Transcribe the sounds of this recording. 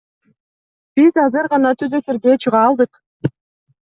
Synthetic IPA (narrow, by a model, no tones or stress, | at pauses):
b̥izɑzɯɾʁɑnɑt̪ʰyzøt̪eɾɡet͡ʃʰɯʁɑːlˠd̪ɯq